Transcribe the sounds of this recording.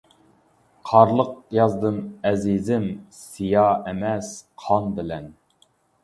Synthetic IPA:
qʰɑɾlˠəq̚jɑzd̪ɨnɛzizɪmsijɑɛmɛsqʰɑnbɪlɛn

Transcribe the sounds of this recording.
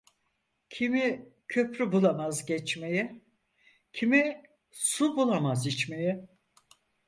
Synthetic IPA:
cʰimicʰø̞pɾybulˠamazɟɛt͡ʃmejɛ | cʰimi | subulˠamazit͡ʃmejɛ

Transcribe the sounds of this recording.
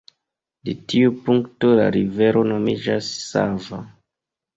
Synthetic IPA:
detiupuŋkto̞la̰ɾive̞ɾo̞no̞mid͡ʒasːa̰va

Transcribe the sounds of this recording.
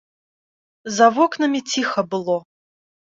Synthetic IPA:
zɐvɔknɐmʲit͡sʲixɐbɨlˠɔ

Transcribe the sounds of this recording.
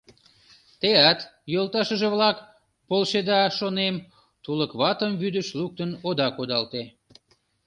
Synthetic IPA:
t̪eɑt̪jolt̪ɑʃəʒeβlɑk | polʃed̪ɑʃonem | t̪uləkβɑt̪əmβyd̪əʃluk̚t̪ənod̪ɑkod̪ɑlt̪e

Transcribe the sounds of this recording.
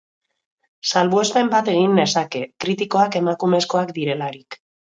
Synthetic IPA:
salβue̞spe̞mbat̪e̞ɣ̞inːe̞sake̞kɾit̪iko̞ake̞makume̞skoakd̪iɾe̞laɾik

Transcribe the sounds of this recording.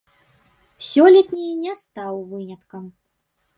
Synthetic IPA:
sʲɔlʲɛt̪ʲnʲinʲɛst̪awvɨnʲɐt̪kɐm

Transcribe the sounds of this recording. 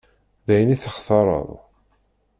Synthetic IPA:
ðæjəniθəχθɑɾˤə̰ðˤ

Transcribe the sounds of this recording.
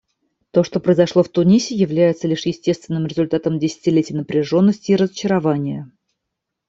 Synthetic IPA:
t̪o̞ʂt̪o̞pɾəjɪzɐʂlˠo̞ft̪ʊnʲisʲɪjɪvlʲæjɪt̪səlʲiʂjɪsʲtʲest̪vʲɪnːɨmɾʲɪzʊlʲt̪at̪əmdʲɪsʲɪ̥tʲɪlʲetʲɪjnəpɾʲɪʐo̞nːəsʲtʲɪːɾəzət͡ɕɪɾɐvanʲɪjə

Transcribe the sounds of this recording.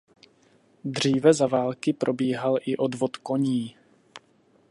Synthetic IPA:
d̪r̝iːvɛzavaːlkɪpɾo̞biːɦalʔɪʔo̞dvot̪ko̞ɲiː

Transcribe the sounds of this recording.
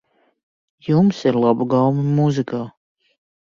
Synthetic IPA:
jumsiɾlˠabuɡawmɨmuzikaː

